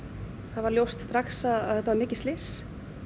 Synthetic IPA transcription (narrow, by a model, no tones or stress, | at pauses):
θaðvaɾljowst̪st̪ɾaxsaðaðɛt̪ːavaɾmɪːcɪ̥st̪ɪs